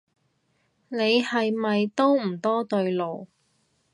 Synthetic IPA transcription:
ne˨˧jhɐ˨jmɐ˨jt̪o˥wm̩˨˩t̪ɔː˥t̪ɵ˧ɥlo˨w

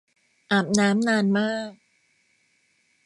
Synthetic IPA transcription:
ʔaː˨˩p̚naː˦˥mnaː˧nmaː˥˩k̚

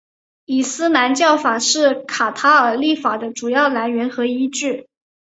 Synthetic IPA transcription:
i˨˩sɹ̩˥na˧˥nt͡ɕjɑ˥˩ʊfa˨˩ʂɻ̩˥˩kʰa˨˩t̪ʰa˧˥ə˞˨˩li˥˩fa˨˩d̪ə˦ʈ͡ʂu˨˩jɑ˥˩ʊla˧˥nɥɛ˧˥nxɤ˧˥i˥t͡ɕy˥˩

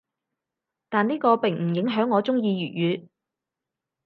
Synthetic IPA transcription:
t̪aː˨niː˥kɔː˧pɪ˨ŋm̩˨˩jɪ˨˥ŋɦœː˨˥ŋːɔː˨˧t͡sʊ˥ŋjiː˧ɥyː˨t̚jyː˨˧

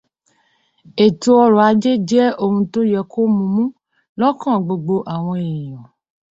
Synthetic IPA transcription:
e˨to˦ɔ˧ɾɔ˨a˨˦d͡ʒe˦d͡ʒɛ˦o˦ŋũ˧to˦jɛ˨kʰo˦mũ˨mũ˦ | lɔ̃˦kã˦˨ɡ͡bo˨ɡ͡bo˧ʔa˨w̃ɔ̃˧e˨i˨ɔ̃˨

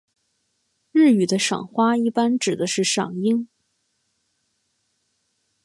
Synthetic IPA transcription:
ɻ̩˥˩y˨˩d̪ə˦ʂɑ̰˨˩ŋxwa˥i˥˩pa˥nʈ͡ʂɻ̩˨˩d̪ə˦ʂɻ̩˥˩ʂɑ̰˨˩ŋi˥ŋ

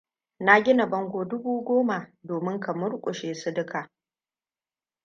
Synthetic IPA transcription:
na˦ɡʲɪ˦na˨bɐ˦ŋɡʷoː˨dʊ˦buː˦ɡʷoː˦ma˨doː˨mɪ˦ŋkʰa˨mʊ˦ɽkʷʼʊ˨ʃeː˨sʊ˦dʊ˦kʰa˨

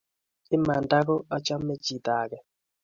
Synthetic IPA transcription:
i˦ma˨nda˦kɔ˦a˦t͡ʃa˦me˦t͡ʃi˨d̪a˨kɛ˨

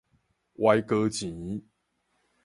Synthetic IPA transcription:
wʔa˦jkə˦t͡ɕĩ˨˦

